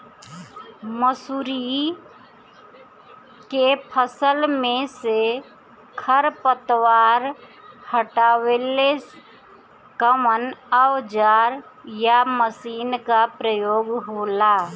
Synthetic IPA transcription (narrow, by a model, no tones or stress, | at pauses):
məsuːɾi | kepʰəsəlmẽse | kʰəɾpət̪waːɾhəʈaːweːle | kəmənəwd͡ʒaːɾjaməsiːnkapɾəjoːɡɦoːla